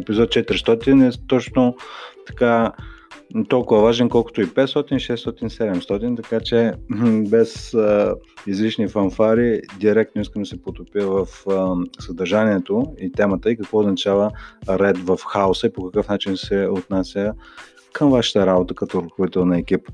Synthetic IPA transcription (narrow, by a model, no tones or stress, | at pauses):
ɛpizɔt̪̚t͡ʃɛt̪ɾʲist̪ɔt̪inɛt̪ɔt͡ʃnot̪ɐ̥ka | t̪ɔlˠkʊvəvaʒɛnkɔlˠkʊ̥t̪oipɛt̪st̪ɔt̪inʃɛst̪ɔt̪insɛd̪ɛmst̪ɔt̪int̪ɐkat͡ʃɛbɛs | izliʃnifɐnfaɾid̪iɾɛk̚t̪nʊiskəmd̪ɐsɛpot̪opiəvəfsəd̪ɐɾʒaniɛt̪oit̪ɛmət̪əikɐkvɔoznɐt͡ʃavəɾɛd̪vəfxaosəipokɐkɤfnat͡ʃinsɛot̪nasʲjə | kʰəmvaʃə̥t̪əɾabot̪əkɐt̪ɔɾoxovit̪ɛlˠnɐɛkip